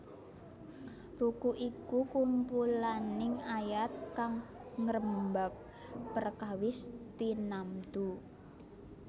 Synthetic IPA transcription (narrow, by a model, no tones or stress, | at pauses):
rukuʔikukumpulanɪŋajat̪̚kaŋ | ŋəɾəmbak̚ | pərkawɪst̪inamt̪u